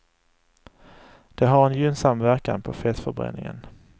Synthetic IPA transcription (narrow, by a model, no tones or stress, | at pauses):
d̪̥ɛɦaɾɛnjʏnsamːvæɾka̰npʰɔfɛːt̪fœɾbɾɛ̰nːɪŋə̰n